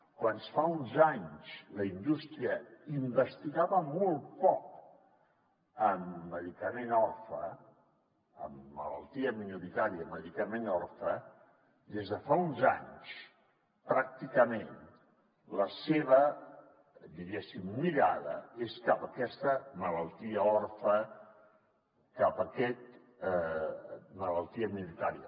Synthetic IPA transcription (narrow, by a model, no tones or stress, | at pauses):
kwansfaunzaɲsləind̪ust̪ɾiəimbəst̪iɣaβəmɔlˠpɔk | əmːəðikəmenɔrfə | ə̰mːə̰lə̰lˠt̪iəminuɾit̪aɾiəmːəðikəmenɔrfə | d̪ezðəfaunza̰ɲs | pɾak̚t̪ikəmen | ləseβə | d̪iɣesimːiɾaðəeskapəkɛst̪əmələlˠt̪iəɔrfə | kapəkɛt̪̚ | mələlˠt̪iəminuɾit̪aɾiə̰